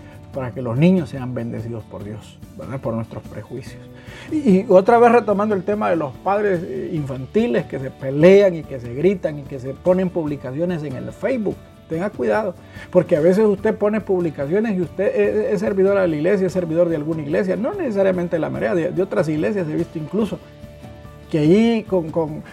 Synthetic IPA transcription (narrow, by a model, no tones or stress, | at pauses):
paɾake̞lo̞znĩɲo̞sːe̞ambe̞nd̪e̞̰siðospo̞ɾðjo̞sbeɾðapo̞ɾnwe̞st̪ɾo̞spɾe̞̰xwisjosː | o̞t̪ɾaβe̞sre̞t̪o̞mand̪oelt̪e̞maðe̞lo̞spaðɾe̞siɱfant̪ile̞ske̞s̬e̞pe̞le̞aŋike̞se̞ɣɾit̪aŋike̞sepo̞ne̞mpuβlikasjo̞ne̞s̬e̞ŋe̞̰lfejzβuk̚ | t̪eŋɡakwiðaðo | po̞ɾkeaβe̞s̬e̞sust̪e̞po̞ne̞puβlikas̬jo̞nesiust̪e̞ees̬e̞ɾβiðo̞ɾaðeliɣle̞s̬jaese̞ɾβiðo̞ɾðealɣunaiɣle̞s̬jano̞ne̞ses̬aɾjament̪elama̰ɾeaðed̪eot̪ɾas̬iɣle̞s̬jaseβist̪oiŋkluso̞ | keaikoŋkoŋ